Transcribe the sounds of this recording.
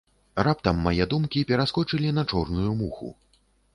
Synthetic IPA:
rap̚t̪ɐmːajɛd̪umkʲipʲɛɾaskɔt͡ʂɨlʲinɐt͡ʂɔrnujumuxṵ

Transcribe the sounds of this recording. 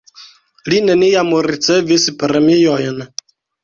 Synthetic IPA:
linɛnijamoɾit͡sɛvesipəɾəmejɔjəna

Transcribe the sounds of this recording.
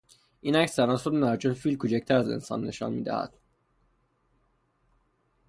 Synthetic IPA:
ʔiːnæcsæɾɒːsodenæɾd͡ʒonfiːlkʰut͡ʃæc̚t̪ʰæɾæze̞̰nsɒ̰nːe̞̰ʃɒ̰ːnmḭːd̪æ̰hæ̰d̪̥

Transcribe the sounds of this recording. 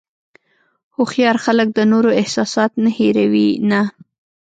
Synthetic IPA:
hʊxjɑɾxalək̚d̪ənoɾoɪhsɑsɑt̪naheɾawina

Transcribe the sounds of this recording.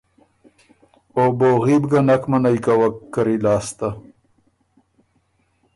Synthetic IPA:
oboːɣiːbɡɐnɐkmɐnajkawɐkːəɾilaːst̪a

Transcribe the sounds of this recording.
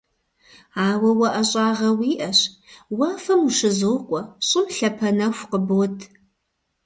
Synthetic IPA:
aːwɐwɐʔɐɕʼaːʁɐwiːʔɐɕwaːfɐmuʃɨzoqʷʼɔɕʼɪmɬɐpʰɐnɐxʷqəbotʰ

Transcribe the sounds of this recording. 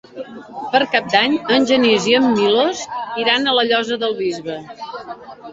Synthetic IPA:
pəɾkap̚d̪aɲənʲʒəniziəmːiloziɾanələʎɔzəðəlˠβizβə

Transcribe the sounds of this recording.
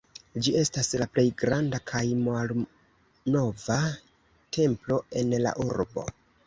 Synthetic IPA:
d͡ʒie̞staslaple̞jɡɾandakʰajmal | no̞va | tʰe̞mplo̞e̞nla̰ʔuɾbo̞̰

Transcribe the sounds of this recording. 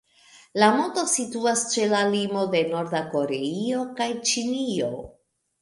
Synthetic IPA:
lamo̞to̞situast͡ʃe̞lalimo̞de̞no̞ɾdako̞ɾe̞io̞kajt͡ʃinio̞̰

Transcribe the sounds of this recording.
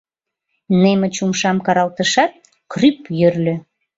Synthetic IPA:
nemə̆t͡ɕumʃɑmkɑɾɑlt̪əʃɑt̪̚ | krypjørlʲø

